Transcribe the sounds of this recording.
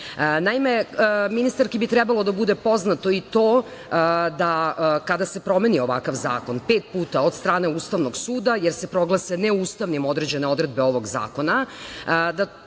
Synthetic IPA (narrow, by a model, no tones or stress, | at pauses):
naimeəminist̪aɾkibit̪ɾɛbalˠod̪abud̪e̞po̞znat̪o̞it̪oː | d̪akad̪ase̞pɾo̞me̞nio̞ʋa̰kaʋza̰ːko̞npeːt̪̚puːt̪aod̪st̪ɾaːne̞uːst̪aʋno̞ɡsuːd̪ajeɾsepɾo̞ɡlˠaseneuːst̪aʋnimo̞d̪ɾed͡ʑe̞neo̞d̪ɾe̞d̪̚beo̞ʋo̞ɡza̰ːko̞na | d̪a